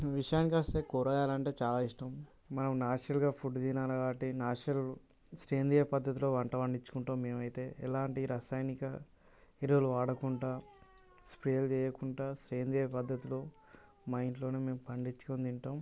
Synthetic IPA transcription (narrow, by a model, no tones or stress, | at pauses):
ʋiʂɐjaːnikɐst̪eːkoːɾaːjaːlɐɳʈe̞ːt͡ʃaːlaːiʂʈɐm | mɐnɐmnaːʂɐlɡaːpʰuɖd͡ʒ̪inaːnɐɡaːʈinaːʂɐl | sɾeːnd̪ijɐpɐd̪ʱːɐt̪̬iloːʋɐɳʈɐʋɐɳɖit͡ʃːu̥kuɳʈoːmːe̞ːmɐjt̪e̞ːʔɛlaːɳʈiɾaːsaːjnikɐ | iɾʋuluʋaːɽɐkuɳʈaː | spɾeːlt͡ʃɛːjɐkuɳʈaːsɾeːnd̪ijɐpɐd̪ʱːɐt̪iloː | mɐjnʈlo̞ːneːme̞ːmupɐɳɖit͡ʃːu̥kond̪iɳʈaːm